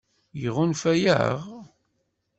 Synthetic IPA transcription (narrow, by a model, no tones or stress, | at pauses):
jəʁʊnfæjæ̰ʁ